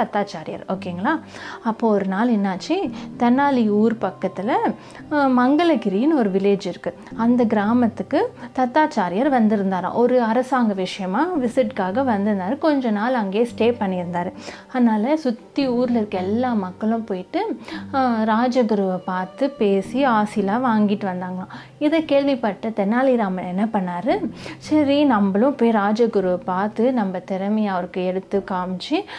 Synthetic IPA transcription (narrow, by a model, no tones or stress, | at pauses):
t̪ɐt̪ːaːt͡ʃaːɾɪjɐ̰ɾoːkeːŋɡɐɭaːɐpːoːɔɾɯnaːlɛnːaːt͡ʃːit̪ɐnːaːliuːɾpɐkːɐt̪ːɪlɐ | mɐŋɡɐɭɐkɪɾɪjɪnɔɾɯʋɪleːd͡ʒɪɾɯkːɯ | ɐnd̪ɐɡɪɾaːmɐt̪ːɯkːɯt̪ɐt̪ːaːt͡ʃaːɾɪjɐɾʋɐnd̪ɪɾɯnd̪aːɾɐ̰̃ːʔɔɾɯɐɾɐsaːŋɡɐʋɪʂɐjɐmaːʋɪsɪʈkaːɣɐʋɐnd̪ɯɾɯnd̪aːɾɯkɔɲd͡ʒɔ̃naːlɐŋɡeːsʈeːpɐɳːɪɾɯnd̪aːɾɯɐðnaːlɐsʊt̪ːiuːɾlɪɾɯkːɐɛlːaːmɐkːɐɭʊ̃poːjɪʈːɯ | ɾaːd͡ʒɐɡʊɾɯʋɐpaːɾt̪ɯpeːsiaːsɪlaːʋaːŋɡɪʈːɯʋɐnd̪aːŋɡɐɭãː | ɪðɐkeːɭʋipɐʈːɐt̪ɛnːaːliɾaːmɐɛnːɐpɐɳːaːɾɯsɐɾinɐmbɐɭʊ̃poːjiɾaːd͡ʒɐɡʊɾɯʋɐpaːɾt̪ɯnɐmbɐt̪ɪɾɐmɐjaɐʋɐɾɯkːɯɛɽɯt̪ːɯkaːmt͡ʃːi